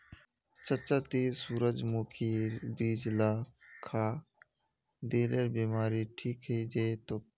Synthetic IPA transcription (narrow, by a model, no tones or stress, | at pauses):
t͡ʃət͡ʃaːt̪isuːɾəd͡ʒmoːkʰibiːd͡ʒlaːkʰaː | d̪eːleɾbiːmaːɾiʈʰiːkɦeid͡ʒet̪oː